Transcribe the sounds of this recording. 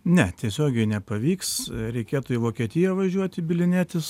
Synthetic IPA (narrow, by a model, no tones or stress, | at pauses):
nʲɛt̪ʲiɛsʲoːɡʲɛɪnʲɛpɐʋʲiːksɾʲɛɪkʲeːt̪ʊiʋoːkʲiɛt̪ʲɪjɛʋɐʒʲuɔt̪ʲɪbʲɪlʲɪnʲæːt̪ʲɪs